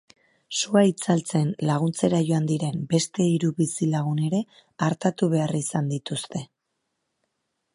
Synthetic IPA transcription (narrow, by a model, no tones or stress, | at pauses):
suait͡salt͡se̞nlaɣ̞unt͡se̞ɾajo̞and̪iɾe̞mbe̞st̪e̞iɾuβisilaɣ̞une̞ɾe̞ | aɾt̪at̪uβe̞arisand̪it̪ust̪e̞